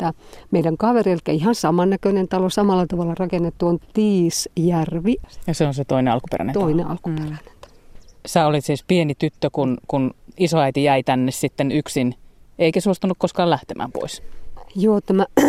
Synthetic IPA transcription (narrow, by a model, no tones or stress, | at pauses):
t̪ːæmeiɾæŋkɑʋereilkːæ̰ihɑnsɑmɑnːækønent̪ɑlosɑmɑlːˑɑt̪ɑʋɑlːˑɑrɑkenːet̪ːuont̪iːsjærʋijɑseonset̪oineɑlkupḛræ̰nḛt̪oineʔɑ̰lkuperæne̥nt̪ɑ̥losæːolit̪siːspienit̪yt̪ːøkunkunisoɑit̪ijæit̪ænːessit̪ːenyksineikæsuost̪unukkoskɑːlæht̪emʔæ̰ːmpo̰isjoːt̪æmæ